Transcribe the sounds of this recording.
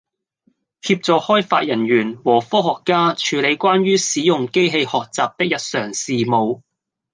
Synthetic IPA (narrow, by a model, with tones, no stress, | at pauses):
hiː˧p̚t͡sɔː˨hɔː˥jfa̰ː˧t̚jɐ˨˩nɥyː˨˩nwɔː˨˩fɔː˥ɦɔː˨kːaː˥t͡ʃʰyː˨˧le˨˧jkʷaː˥nɥyː˥siː˨˥jʊ˨ŋke˥jɦe˧jhɔː˨k̚t͡saː˨p̚t̪ɪ˥k̚jɐ˨t̚sœː˨˩ŋsiː˨mo˨˧w